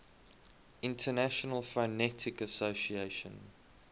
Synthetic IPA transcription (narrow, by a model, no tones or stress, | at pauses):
ɪ̃ntʰənæʃənəlˠfənɛtʰɪkəsoʊsieɪʃə̰̃n